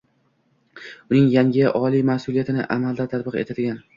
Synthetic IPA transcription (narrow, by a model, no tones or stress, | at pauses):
ʊnɪŋjaŋʲɪʔɒlimasʊlˠijat̪ɪnɪ̰ʔamald̪at̪ʰat̪̚bɨqe̞̰t̪ʰad̪ɪɡʲan